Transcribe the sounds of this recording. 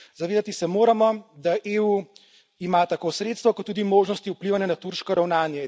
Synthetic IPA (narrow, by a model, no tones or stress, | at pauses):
zaʋeːd̪at̪isɛmoːɾamɔd̪aʔeu | imat̪akoːsɾeːt̪st̪ʋɔkɔt̪ːuːd̪imoːʒnɔst̪iupliʋanjanat̪uɾʃkɔɾawnaːnjɛ